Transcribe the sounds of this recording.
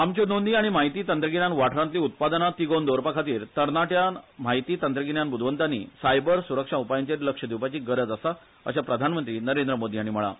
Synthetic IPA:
amt͡ɕinond̪iːaɽ̃imaɦit̪iːt̪ənt̪ɾəkinjanʋaʈʰɾãnt̪liːut̪̚pad̪ənat̪iɡond̪oɾpakʰat̪iːɾt̪əɾnaʈjamaɦit̪iːt̪ənt̪ɾəkiɳjanbud̪ʱʋənt̪anḭːsajbəɾsuɾəkʂaupajəɲt͡ɕeɾləkʂəd̪iwpat͡ɕiːɡəɾəd͡zəsa | ə̰ɕapɾəd̪ʱanmənt̪ɾiːnəɾend̪ɾəmod̪ʱiaɽ̃im̤əɭa̰

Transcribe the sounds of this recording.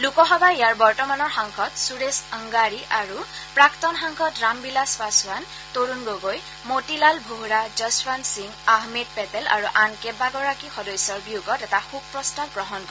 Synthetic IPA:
lukɔɦɔbaejaɹbɔɹtɔmanɔɹxaŋkʰɔtsuɹesəŋɡaɹiʔaɹupɹaktɔnxaŋkʰɔtɹambilaspaswan | toɹunɡoɡoj | motilalbʱoɦɹad͡ʒəswansiŋaɦmed̚pɛtɛla̰ɹuʔankɛbaɡɔɹakixɔdɔjsɔɹbijuɡɔtɛtaxub̚pɹɔstapɡɹɔɦɔnk

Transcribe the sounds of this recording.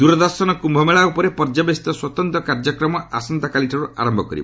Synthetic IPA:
d̪uɾɔd̪ɔɾsɔnɔkumbʱɔmeɭaupɔɾepɔɾd͡ʒabest̪ɔswɔt̪ɔnt̪ɔkaɾd͡ʒɔkɾɔmɔʔasɔnt̪akaliʈʰɔɾua̰ɾɔmbʱɔkɔɾib

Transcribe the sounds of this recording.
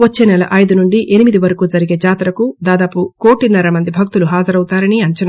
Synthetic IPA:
ʋɐt͡ʃːeːnɛlɐ̰ʔɐjd̪unuɳɖiʔenimid̪iʋɐɾɐkuːd͡ʒɐɾiɡe̞ːd͡ʒaːt̪ɾɐkud̪aːd̪aːpuko̞ːʈinɐɾɐmɐnd̪ibʱɐk̚t̪uluɦaːd͡ʒɐɾɐwut̪aːɾɐniɐɲt͡ʃɐnɐ

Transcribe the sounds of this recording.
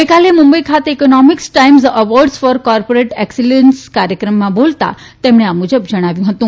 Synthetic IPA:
ʋəjkalemumbəikʰat̪eekonɔmiksʈaimsəʋɔɾɖsfɔɾkɔɾpoɾeʈɛksilənskaɾjəkɾəmːãbolt̪a̰ | t̪emɽ̃eamud͡ʒəbd͡ʒəɽ̃aʋjũɦət̪ũ

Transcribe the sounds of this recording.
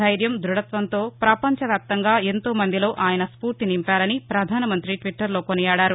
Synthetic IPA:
ɐjɾjɐmd̪ɾuɽɐt̪ʋɐnt̪o̞ːpɾɐpɐɲt͡ʃɐʋjaːp̚t̪ɐŋɡaːent̪o̞ːmɐnd̪ilo̞ːʔaːjɐnɐspuːɾt̪inimpaːɾɐnipɾɐd̪ʱaːnɐmɐnt̪ɾiʈʋiʈːɐɾlo̞ːkonijaːɽaːɾu

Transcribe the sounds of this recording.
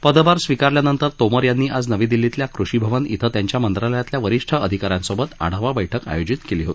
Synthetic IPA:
pəd̪baɾsʋikaɾljanənt̪əɾt̪oməɾjanːiːʔad͡znəʋĩd̪ilːit̪ljakɾuʂibʱəʋənḭt̪ʰət̪jaɲt͡ɕjamənt̪ɾaləjat̪ljaʋəɾiʂʈʰəəd̪ʱikaɾjãnsobət̪a̰ɽ̤aʋabəjʈʰəka̰jod͡ʑit̪keliɦot̪i̥

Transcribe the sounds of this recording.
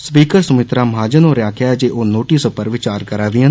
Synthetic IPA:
spiːkəɾsəmɪt̪ɾaːmɦaːd͡ʒənoːɾjaːkʰjaːɛd͡ʒeːʔoːnoːʈisopəɾʋɪt͡ʃaːɾkəɾaːʋiə

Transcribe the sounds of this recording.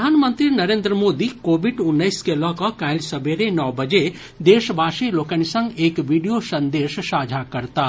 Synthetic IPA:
aːnmə̃nt̪ɾinɐɾẽːnd̪ɾəmoːd̪ikoːbiɖʊnːəɪskelɔ̃kɔkaːlsəbʱeɾenɔːbɐd͡ʒe | d̪eːʃbʱaːʃiloːkəñisə̃ŋɡeːkʋiɖijosɐ̃nd̪eːʃʃaːd͡ʒʱakɐɾt̪a

